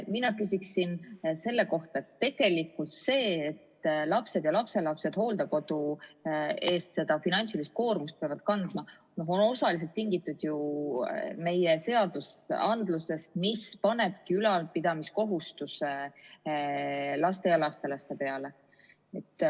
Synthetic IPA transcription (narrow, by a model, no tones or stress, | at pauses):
minɑkysʲiksinse̞lːe̞ko̞ht̪ɑet̪ːe̞ɡ̥e̞likːult̪se̞ːt̪lɑpse̞d̪̥jɑlɑpse̞lɑpse̞d̪̥ho̞ːld̪ɑko̞d̪u | e̞ːst̪se̞d̪ɑfinɑnʲt̪silist̪̚ko̞ːrmust̪̚peɑvɑd̪̥̚kɑnd̪mɑ | no̞ɦo̞no̞sɑlis̬elt̪ːiŋɡit̪ːˑud̪̥ju | me̞je̞se̞ɑd̪̥usɑ̰nd̪luse̞st̪mispɑne̞b̥̚kiylɑlpid̪̥ɑmisko̞ɦust̪use | lɑst̪e̞jɑlɑst̪e̞lɑst̪e̞pe̞ɑle̞ | e̞t̪ː